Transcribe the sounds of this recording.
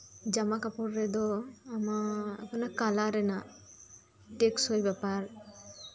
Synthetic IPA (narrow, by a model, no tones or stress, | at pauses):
d͡ʒamakapɔɾːɛd̪ɔamaapɔnakalaɾɛna | ʈeksojbɛpaɾ